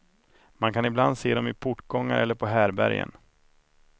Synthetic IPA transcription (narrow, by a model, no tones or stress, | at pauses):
mankʰanɪbland̪seːd̪ɔmɪpʰʊʈːɡɔŋːa̰ɾʔɛlːəɾpʰɔɦæːɾbæ̰ɾjə̰n